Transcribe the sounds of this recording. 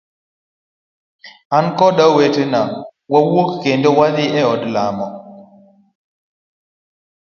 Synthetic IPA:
ankɔɗawetenawawokkendowaðɪɛɔdlamɔ

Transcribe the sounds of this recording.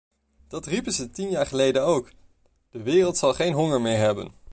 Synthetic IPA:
d̥ɑtripəzətinjaːɹχəlejdənowk | d̥əʋɪːrəlˠtsɑlˠχejnɦɔŋəɹmɪːɹɦɛbə̰n

